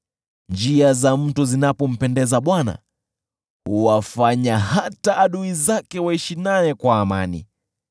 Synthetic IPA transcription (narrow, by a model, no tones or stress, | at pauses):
nd͡ʒiazam̩tuzinapɔm̩pɛndɛzaɓwana̰ | huwafaɲaɦataʔːɗuizakɛwaiʃinaɛkwaːmanḭ